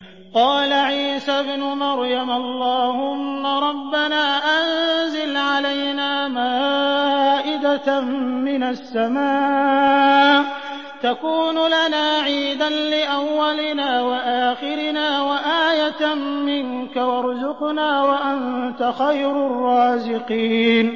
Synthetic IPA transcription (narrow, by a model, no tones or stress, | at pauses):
qɑːlaʕiːsabnʊmɑɾjamʔɑlˤːɑːhʊmːaɾˤɑbːanaːʔanzɪlʕalajnaːmaː | ʔɪd̪amɪnasːamaː | t̪akuːnʊlanaːʕiːd̪anlɪʔawːalɪnaːwaʔaːxɪɾɪnaːwaʔaːjat̪mɪnkawɑɾˤzʊqnaːwaʔant̪axajɾʊrˤːɑːzɪqiːn